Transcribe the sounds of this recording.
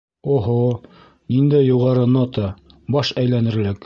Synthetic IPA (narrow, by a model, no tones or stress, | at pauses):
oɦo | nind̪æjːuʁɑɾɤnot̪ɑ | bɑʃæjlænɘ̆ɾlɘk